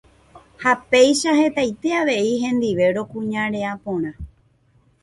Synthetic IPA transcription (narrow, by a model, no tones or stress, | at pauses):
hape̞jʃahe̞t̪ajt̪e̞aʋe̞iɦẽ̞nd̪iʋe̞ɾo̞kũɲãɾe̞apõɾ̃ã